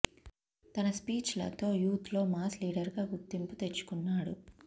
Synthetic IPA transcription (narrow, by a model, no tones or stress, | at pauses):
t̪ɐnɐspiːt͡ʃlɐ̰t̪o̞ːjuːt̪lo̞ːmaːsliːɽɐɾɡaːɡuɾt̪ːimput̪e̞t͡ʃːu̥kunːaːɽu